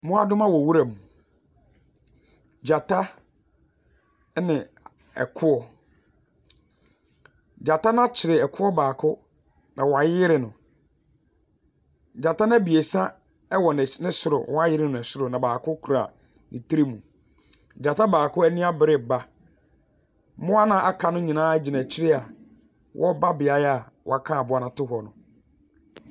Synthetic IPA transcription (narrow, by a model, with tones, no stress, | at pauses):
mʊ̃˦a˦dʊ̃˦mã˦wɔ˨wu˦ɾa˨mũ˨ | d͡ʑa˨tʰa˦ | nɪ̃˨ | ɛ̰˨kʰʊ˦ɔ˨ | d͡ʑa˨ta˦nã˦t͡ɕʰɪ˨ɾɪ˨ɛ˨kʰʊ˦ɔ˦baː˨kʰʊ˦ | nʔã˨wɔ˨a˨jɪ˦ɾɪ˨nʊ̃˨ | d͡ʑa˨ta˦nã˦bi˨e˨sã˦ | ɛ˦wɔ˨nɪ˨nɪ̃˦sʊ˨ɾʊ̰˨wɔ˦a˦jɪ˦ɾɪ˦nʊ̃˨ɛ˨sʊ˦ɾʊ˨nã˨baː˨kʰʊ˦kʰu˨ɾa̰˨ | nɪ̰̃˨tʰi˦ɾi˦mũ˨ | d͡ʑa˨tʰa˦baː˨kʰʊ˦ɛ˦nɪ̃˦a˦bɪ˨ɾɪ˦˨ba˦ | mʊ̃˦a˦nã˦ʔa˦kʰa˨nʊ̃˦ɲĩ˨nãː˦d͡ʑi˨nã˨t͡ɕʰɪ˦ɾɪ˦a˨ | wʔɔ̰˦ba˦bɪ˨a˨˦a˨ | wɔ̰˨a˨kʰã˦˨a˨bʊ˨˦a˨nã˨tʊ˦ɦɔ˨nʊ̃˨